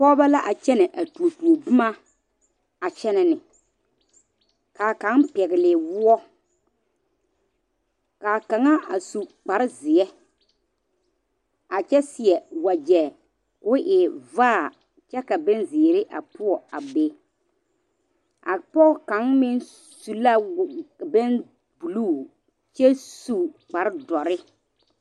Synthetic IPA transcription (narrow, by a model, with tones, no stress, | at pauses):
pɔ˦ba˦la˦ʔa˨t͡ʃɛ˦nɛ˨ʔa˨tu˨o˨tu˨o˨bʊ˦ma˦ | a˨t͡ʃɛ˦nɛ˨nɪ˨ | kaː˨kã˨˦npɛ˨ɣɪ˨lɪ˨wʊ˦ɔ˦ | kaː˨ka˨ŋa˦a˨su˨k͡pa˨ɾɪ˦zɪ˨ɛ˦ | a˨t͡ʃɛ˦sɪ˨ɛ˨wa˨d͡ʒɛ˨ | kʊ˦ʔɪ˨vaː˦˨ | t͡ʃɛ˦ka˨bɛ˦nzɪ˨ɾɪ˦ʔa̰˨pʊ˦ɔ˨a˨be˦ | a˨pɔ˦ka˨˦nmɪ˦n | su˨la˦˨bɛ˦n | bu˨luː˦˨ | t͡ʃɛ˦su˨k͡pa˨ɾɪ˦dɔ˨ɾɪ˦